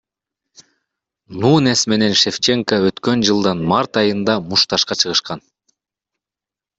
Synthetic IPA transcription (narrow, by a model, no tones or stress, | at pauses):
nuːnesme̞ne̞nʃe̞ft͡ʃe̞ŋkəøt̪kø̞nd͡ʒɯlˠd̪ɑnmɑɾt̪ɑjɯnd̪ɑmuʃt̪ɑʃqɑt͡ʃʰɯʁɯʃqɑn